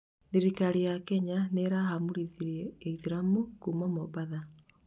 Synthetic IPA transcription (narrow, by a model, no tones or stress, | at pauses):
ðiɾikaɾijakɛɲaneɾaɦamuɾiðiɾiɛːiðiɾamukumamɔbaða